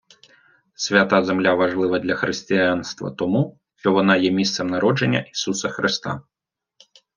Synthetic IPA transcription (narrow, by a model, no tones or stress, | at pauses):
sʲvʲat̪azɛmlʲavaʐlˠɨvɐd̪lʲɐxɾɨsʲt͡sʲijanst̪vɐ̰t̪ɔmu | ʂtɔvɔnajɛmʲist̪sɛmnaɾɔʐɛnʲːɐ̰ʔisusɐxɾɨst̪a̰